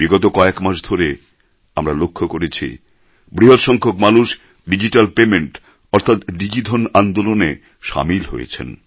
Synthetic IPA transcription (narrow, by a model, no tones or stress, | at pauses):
biɡɔt̪okɔekmaʃd̪ʱoɾe | amɾalokʰːokoɾet͡ɕʰḭ | bɾiɦot̪ʃɔŋkʰokmaluʃ | ɖid͡ʑiʈalpemeɳʈ | ɔɾt̪ʰat̪ɖid͡ʑid̪ʱʰonand̪olone | ʃa̰milɦo̰jḛt͡ɕʰḛn